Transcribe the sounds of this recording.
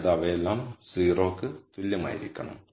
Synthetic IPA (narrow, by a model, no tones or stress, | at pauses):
ðaʋɐelːaːmsiːro̞ːkːɨt̪ulːɐma̰ːjiɾikʲːɐɳɐ̰m